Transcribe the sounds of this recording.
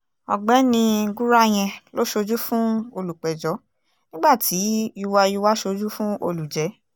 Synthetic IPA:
ɔ̰˨ɡ͡bɛ˨˦nĩ˧ɡu˦ɾa˦j̃ɛ̃˧lo˦ʃo˧d͡ʒu˦fũ˦o˧lu˨k͡pɛ˨d͡ʒɔ˨˦ | nĩ˦ɡ͡ba˦˨tʰi˨˦i˧wa˧i˧wa˦ʃo˧d͡ʒu˦fũ˦o˧lu˨d͡ʒɛ˨˦

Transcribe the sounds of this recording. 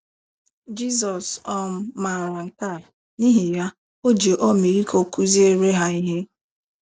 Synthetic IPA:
d͡ʒi˦s̬ɔ˨sɔ˦m̩˦ma˨ɾa˨ŋ̩˨ka˦˨ | ni˦ɦe˨ja˦ | o˦d͡ʒe˨ʔɔ˦mi˨ɾi˦kʰo˨ku˦zi˦e˨ɾe˦ɦa˦i˦ɦe˦

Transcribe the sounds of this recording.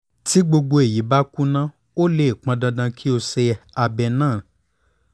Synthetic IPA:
ti˨˦ɡ͡bo˧ɡ͡bo˧e˨ji˨˦ba˦ku˦nã˦ | o˦le˦i˨k͡pã˧dã˧dã˧kʰi˦o˧sɛ˧a˧bɛ˧nãː˦˨

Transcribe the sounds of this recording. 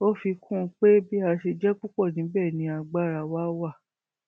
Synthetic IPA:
o˦fi˧kʰũ˦˧k͡pe˦bi˦a˧ʃe˧d͡ʒɛ˦k͡pu˦kɔ˦˨nĩ˨˦bɛ˦˨nĩ˨˧˦a˧ɡ͡ba˦˨ɾa˧wa˦wa˦˨

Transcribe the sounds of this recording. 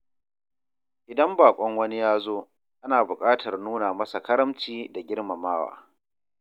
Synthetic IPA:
ʔɪ˨dɐ˦mbaː˨kʷʼɔ˦ŋwɐ˦ni˦jaː˦zoː˦ | ʔa˦naː˨bʊ˨kʼaː˦tʰɐ˨rnuː˦na˨mɐ˦sa˨kɐ˦ɾɐ˦mt͡ʃiː˦da˨ɡʲɪ˦ɽma˨maː˦wa̰ː˨

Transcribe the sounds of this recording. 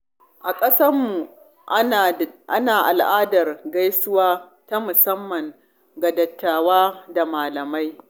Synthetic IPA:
ʔa˨kʼɐ˦sɐ˦mːu˨ | ʔa̰˦naː˨ʔa˨lʔaː˦dɐ˨rɡa˦jsʊ˦waː˦ | ta˦mʊ˨sɐ˦mːɐ˨ŋ | ɡa˨dɐ˨tːaː˨waː˦da˨maː˨lɐ˨ma˦j

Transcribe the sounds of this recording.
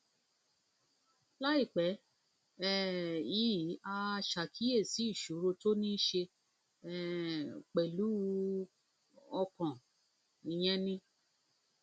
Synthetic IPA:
la˦i˦˨k͡pɛ˨˦ | ɛ˦˨i˨˦˨a˧ʃa˨kʰi˨˦e˦˨si˨˦i˦˨ʃu˨˦ɾo˧to˦nĩ˦ʃe˧ | ɛ˦k͡pɛ˨lu˨˦ | ɔ˧kɔ̃˨ | i˨j̃ɛ̃˧nĩ˧

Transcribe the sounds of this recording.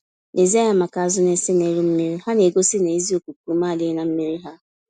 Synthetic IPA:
ne˨ze˦ja˦ma˨ka˨a˨zʊ˦ne˦sɪ˦ne˨˦ɾu˦m̩˦mi˦ɾi˦ɦa˦ne˨ɡo˦sɪ˦ne˨i˦zi˦o˨ku˨ku˨˦maː˦˨dɪ˦na˨m̩˦mi˦ɾi˦ɦa˦

